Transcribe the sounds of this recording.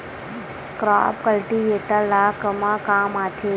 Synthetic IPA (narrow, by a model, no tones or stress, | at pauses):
kɾa̰ːpkəlʈiʋeːʈəlːakəmakaːmaːt̪ʰe